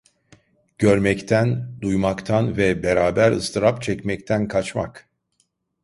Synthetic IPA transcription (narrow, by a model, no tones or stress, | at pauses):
ɟ̥øɾmɛct̪ʰænd̪ujmakt̪ʰanvɛbeɾaːbæɾɯst̪ʰɯɾapt͡ʃʰɛcmɛct̪ʰænkʰat͡ʃma̰k